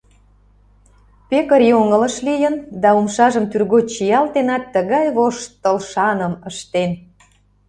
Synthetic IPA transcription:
pekəɾjoŋələ̆ʃlijənd̪ɑumʃɑʒəmt̪yrɣot͡ɕijɑlt̪enɑt̪ːəɣɑjβoʃt̪əlʃɑnəməʃt̪en

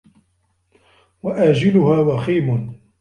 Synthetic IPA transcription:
waʔaːd͡ʒɪlʊhaːwaxiːmʊn

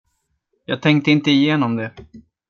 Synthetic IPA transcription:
jɑ̰ːɡ̚t̪ʰɛŋk̚t̪əɪnt̪əɪjeːnɔmd̪ɛ

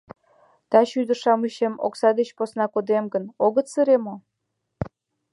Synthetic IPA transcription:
t̪ɑɕyd̪əʃɑmɨɕemo̰ksɑd̪et͡ɕposnɑkod̪emɡə̆noɣə̆t̪sɨɾemo

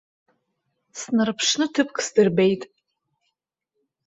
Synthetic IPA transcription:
snɨrpʰʂnɨtʰɨpʰkʰʼsdɨrbejtʼ

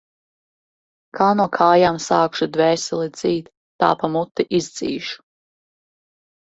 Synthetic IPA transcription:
kʰaːnɔːkʰaːjaːmsaːkʃud̪vɛːsɛlˠid̪z̥iːt̪ːa̰ːpamut̪ːiʔizd̪z̥ḭːʃu̥

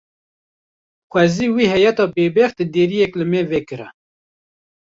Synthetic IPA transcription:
xʷɛziːwiːhɛjɛt̪ɑːbeːbext̪d̪eːɾijɛklɨmeːveːkɨɾɛ̰

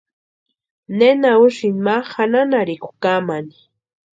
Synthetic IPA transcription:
nenauʃinmahananaɾɪkʊ̥kamani̥

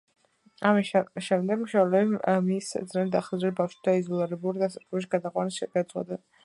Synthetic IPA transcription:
aiʃɛmd̪ɛɡmʃɛlɛbimisd̪znɛnid̪aχazɾɛbafʃd̪aizɔlˠiɾɛbuɾid̪asaɾkɛbʃiɡad̪aqʼwanisɡasʼwa̰d̪a

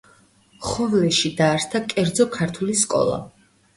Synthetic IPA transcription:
χɔvlɛʃid̪aːɾst̪ʰakʼɛɾd̪zɔkʰaɾt̪ʰuliskʼɔ̰lˠa̰

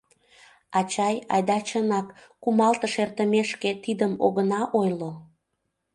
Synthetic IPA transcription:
ɑt͡ɕɑjɑ̰jd̪ɑt͡ɕənɑkː | umɑlt̪əʃert̪əmeʃket̪id̪əmo̰ɣənɑʔojlo

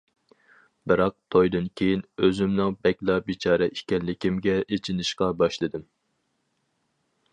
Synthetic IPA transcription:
bɨɾɑq̚t̪ʰojd̪ɨnkʲʰejinøzymnɨŋbɛkʲlˠɑbit͡ʃʰɑːɾɛʔikʲɛnlɪkʲimɡʲɛʔet͡ʃʰinɪʃqɑbɑʃlˠɨd̪ɨm

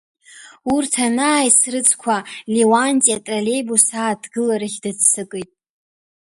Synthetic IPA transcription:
urtʰanaːjsrɨt͡sʼkʷʰalewantʼiatʼrale̞jbusaːdʰɡɨlaɾɨχʲdɨd͡zsɨkʼɨjtʼ

